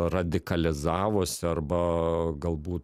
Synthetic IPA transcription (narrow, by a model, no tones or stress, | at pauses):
rɐd̪ʲɪkɐlʲɪzɑːʋoːsʲɪɐrbɐɡɐlˠbuːt̪